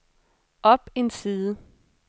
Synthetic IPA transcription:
ʔɒ̽b̥e̝nsiːðˠə

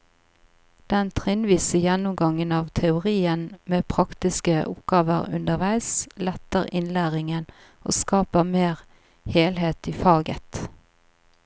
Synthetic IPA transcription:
d̪̥ɛnt̪ʰʁɪnʋiːsəjɛnːʊmɡɑŋːənɑːʋt̪ʰɛʊʁiːənmeːpʰʁɑkt̪ɪskəʔʊ̰pɡ̥ɑːʋəʁʉ̰nd̪əʁʋæɪslɛt̪ːəʁɪ̰nlæːʁɪŋən | o̰ːskɑːpəmeːʁ | heːlɦeːt̪iːfɑːɡət̪

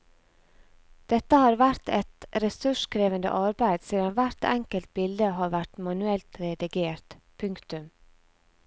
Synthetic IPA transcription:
d̪̥ɛt̪əhɑːɾʋæɾt̪ɛt̪ɾɛsʉʃkʰɾeːʋənd̪ə̰ʔɑɾbæɪd̪siːd̪ɑnʋæɾt̪ɛŋkəlt̪̚bɪld̪əhɑːʋæʈmɑnʉɛlt̪ɾɛd̪ɪɡeːɾt̪ | pʰʉŋkt̪ʉm

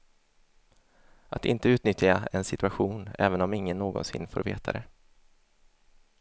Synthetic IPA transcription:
ʔat̪ɪ̰nt̪əʉ̟ːt̪nʏt̪jaɛnsɪt̪ɵaɧuːnɛːvənɔmɪŋːənːoːɡɔ̰nsɪ̰nːfo̰ːɾvḛːt̪ʰaɾɛ

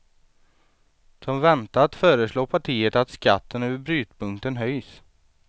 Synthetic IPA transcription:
d̪̥ɔmvɛnt̪aːt̪fœːɾəsloːpʰaʈʰiːəʈ̪at̪ska̰t̪ːənøːvəɾbɾyːt̪pʰɵŋkt̪ənɦœjs

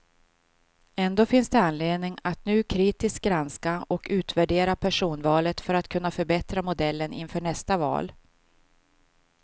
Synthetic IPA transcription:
ɛnd̪oːfɪnsd̪ɛanleːd̪nɪŋat̪nʉ̟ːkʰɾiːt̪ɪsk̪̚ɡɾanskaɔkʉ̟ːt̪væɖeːɾapʰæʂuːnvɑːlət̪fœɾat̪kʰɵn̪ːafœɾbɛt̪ɾamʊd̪ɛlːənʔɪ̰nfœːɳɛst̪avɑ̰ːl

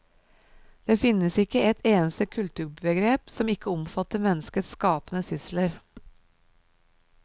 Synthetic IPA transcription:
d̪̥eːfɪnəsɪkəɛt̪ʰeːnəst̪əkʰʉlt̪ʉːɾbəɡɾeːpsɔmɪkəɔmfɑt̪əɾmɛnəskət̪skɑːpənəsʏsləɾ

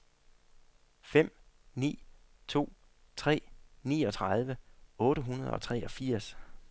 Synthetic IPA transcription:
fem̰ | nḭːt͡sʰo̝̰ː | t͡sʰʁɛ̰ːnḭːɒ̽t͡sʰʁað̞ˠʋəɔ̽ːɾəɦunɐð̞ˠɒ̽t͡sʰʁɛʔɒ̽fiɐ̰s

